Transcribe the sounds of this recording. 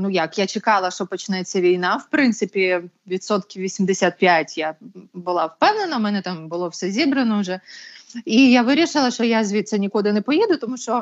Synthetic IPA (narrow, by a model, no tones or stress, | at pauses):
nujakjat͡ʃɪkɑlˠɐʃtɔpɔt͡ʃɪnɛt͡sʲːɐʋʲijnawpɾɪnt̪sɪpʲɪ | ʋʲit̪sɔt̪kʲɪʋʲisʲimd̪ɪsʲat̪̚pʲjatʲjabʊlˠawpɛwnɪnɐmɛnɛt̪ambʊlˠɔfsʲɛzʲibɾɐnɔʊʐɛ | ijaʋɪɾʲɪʃɪlˠɐʃɔjazʲʋʲit̪sɐnʲɪkud̪ɪnɛpɔjɛd̪ʊt̪ɔmuʃt͡ʃɔ